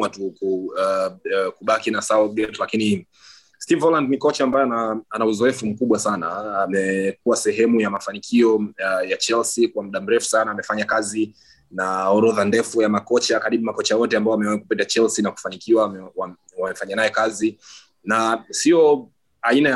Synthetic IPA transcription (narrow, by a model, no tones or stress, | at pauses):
atuku | kuɓakinasaɔɡɛtlakini | stivɔlandnikɔt͡ʃaːmbajɛnaanauzɔɛfum̩kuɓwasanaamɛkuwasɛɦɛmujamafanikʰiɔjat͡ʃɛlsikwam̩ɗam̩ɾɛfu̥sanaːmɛfaɲakazi | naɔɾɔðandɛfujamakɔt͡ʃakaɾiɓumakɔt͡ʃajɔtɛambaɔamɛaikupitat͡ʃɛlsinaku̥fanikiwawa | wamɛfaɲanajɛkazi | nasiɔ | ainaja